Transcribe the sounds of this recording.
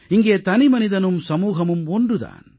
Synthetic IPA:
iŋɡeːt̪ɐnimɐnid̪ɐnumsɐmuːɦɐmumoɳɖud̪a̰ːn

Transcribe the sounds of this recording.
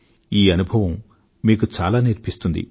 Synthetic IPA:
iːɐnubʱɐʋɐmː | iːkut͡ʃa̰ːlaːniɾpist̪und̪ḭ

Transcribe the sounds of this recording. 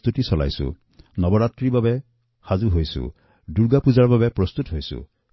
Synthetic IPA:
t̪utisɔla̰jsṵ | nɔbɔɾat̪ɾibabe | hazuɦojsṵ | duɾɡapuzaɹɔbabepɾɔst̪ut̪ɦojsṵ

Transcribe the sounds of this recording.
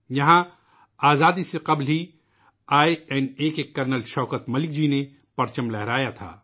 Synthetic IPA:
jɐɦã | aːzaːd̪iseqɐblɦi | aːiɛneːkekɐɾnəlʃɔːkət̪mɐlɪk̚d͡ʒine | pɐɾt͡ʃəmlɛɦɾaːjat̪ʰa̰ː

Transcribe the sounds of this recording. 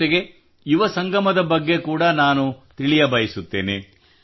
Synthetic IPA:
eɡe̞ | juʋɐsɐŋɡɐmɐd̪ɐbɐɡːe̞kuːɽɐnaːnut̪iɭijɐbɐjisut̪ːe̞ːne

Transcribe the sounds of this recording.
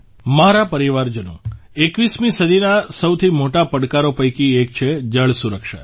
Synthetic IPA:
maɾapəɾiʋaɾd͡ʒənṵ̃ekʋismĩsəd̪ʱinasəwt̪ʰimoʈapəɽkaɾopəjkiek̚t͡ʃʰed͡ʒəɭsuɾəkʃa̰

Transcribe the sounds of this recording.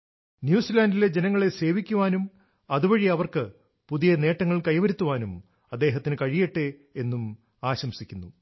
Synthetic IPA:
njuːsilaːndile̞d͡ʑenɐŋːɐɭe̞se̞ːʋikʲːuʋaːnum | ɐðubɐɻiɐʋɐrkɨ | puðijɐne̞ːʈːɐŋːɐɭkɐjʋɐɾut̪ːuʋaːnum | ɐd̪ːe̞ːɦɐt̪ːinɨkɐɻijeʈːeenːum | aːɕɐmsikʲːunːu

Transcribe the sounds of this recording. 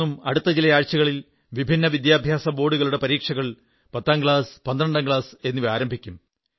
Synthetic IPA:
umɐɽut̪ːɐd͡ʑilɐjaːɻt͡ɕɐɣɐɭil | ʋibʱinːɐʋid̪jaːbʱjaːsɐbo̞ːɽuɣɐɭuɽe̞pɐɾiːkʂɐɣɐɭ | pɐt̪ːaːnɡɭaːspɐnd̪ɾɐɳɖaːŋɡɭaːse̞nːuʋiaːɾɐmbʱikʲːum

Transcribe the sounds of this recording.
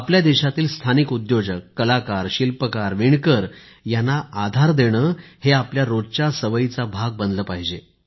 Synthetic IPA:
apljad̪iɕat̪iːlst̪ʰanikud̪jod͡ʑəkːəlakaɾɕilpəkaɾʋiɳkəɾ | janːaʔad̪ʱaɾd̪eɽ̃əːheapljaɾod͡zt͡ɕasəʋəjit͡sabʱaɡ̚bənd̪ləːpaɦid͡ʑe

